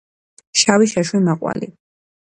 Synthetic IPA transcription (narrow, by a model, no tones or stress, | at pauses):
ʃawiʃaʃwimaqʼwa̰lḭ